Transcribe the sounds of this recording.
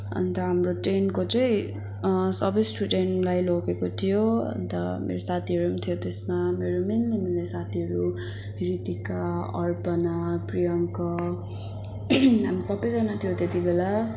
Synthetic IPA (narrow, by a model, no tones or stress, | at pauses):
ʌ̰nt̪ʌɦamroʈrenkot͡sʌĩ | sʌbisʈuʈenlajlokekot̪ʰijoʌ̰nt̪ʌ̰mḛɾosat̪ʰiɦʌɾumt̪ʰijot̪esmameɾomenniminesat̪ʰiɦʌɾu | ɾit̪ikaʌ̰rpʌnaprijʌŋkʌ | ɦamisʌbʌjd͡zʌnat̪ʰijot̪et̪ibela